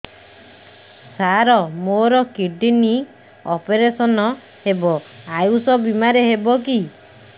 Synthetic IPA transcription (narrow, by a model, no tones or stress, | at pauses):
saɾɔmoɾɔkiɖini | ɔpeɾesɔnɔ | hebɔajusɔbimaɾeɦebɔk̬i